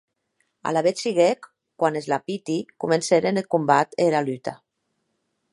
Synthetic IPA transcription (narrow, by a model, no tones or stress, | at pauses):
a̰laβet̪siɣek | kːwanezlapit̪ikumenseɾenelkumbat̪eɾalyt̪a